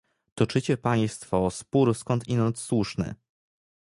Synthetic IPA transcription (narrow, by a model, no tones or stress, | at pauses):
t̪ɔt͡ʂɘt͡ɕɛpaj̃st̪fɔːspuɾskɔnt̪inaɔt̪swuʂnɘ̰